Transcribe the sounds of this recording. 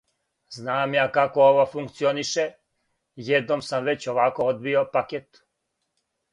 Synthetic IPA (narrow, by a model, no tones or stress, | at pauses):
znaːmjaːkako̞oʋofuŋkt̪sioniʃe | jed̪nomsamʋe̞t͡ɕo̞ʋako̞od̪̚biopaket̪